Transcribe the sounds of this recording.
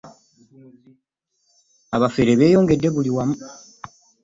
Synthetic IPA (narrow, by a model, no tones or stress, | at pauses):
aβafeːɾe̞βe̞ːjo̞ːŋɡe̞dːe̞βuliwamu